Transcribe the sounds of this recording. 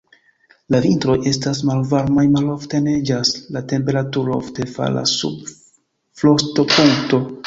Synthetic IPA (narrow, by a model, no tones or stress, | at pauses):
lavintɾo̞je̞stas̬malvaɾmajmalo̞fte̞ne̞d͡ʒaslate̞mpe̞ɾatuɾoo̰fte̞fa̰la̰sṵb | flo̞sto̞puŋkto̞